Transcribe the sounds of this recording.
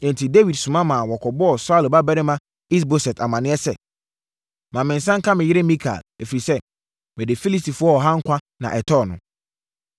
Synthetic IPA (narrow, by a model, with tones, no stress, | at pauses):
ɛ̃˨n˨tʰi˨de˦wi˨dsʊ̃˨mã˦mã˨wɔ˨kʰɔ˨bɔ˦ɔ˨sa˦˨lba˦bɛ˦ɾɪ˦mã˦ | i˦s̬bo˨sɛ˨ta˨mã˨nɪ̃˦ɛ˦sɛ˦ | mã˨mɪ̃˨n̩˨sã˦ŋ̩˦kʰã˦mɪ̃˨jɪ˦ɾɪ˦mĩ˦kʰa̰˨læ˨fi˨i˨sɛ˦ | mɪ̃˨dɪ˨fi˦li˦sti˨fʊ˦ɔ˦ɔ˨ɦã˦ŋ̩˦kʷʰa˦ | nã̰˨ʔɛ˨tʰɔ˦˨nʊ̃˨